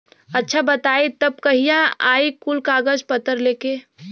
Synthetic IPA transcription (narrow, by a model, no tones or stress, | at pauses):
ɐtːʃʰabɐt̪aːit̪ɐb̚kɐɦijãaːikʊlkaːɡəd͡ʒpɐt̪ːəɾleːkeː